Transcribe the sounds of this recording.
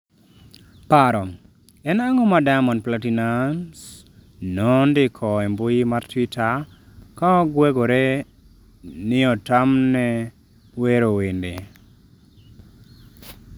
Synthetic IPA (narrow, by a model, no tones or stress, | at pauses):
paɾɔ | ɛnaŋɔmadamɔnplatinans | nɔndɪkʰɔɛmbʊjimartwitʰa | kaɔɡweɡoɾe | nɪɔtamnɛ | weɾowindḛ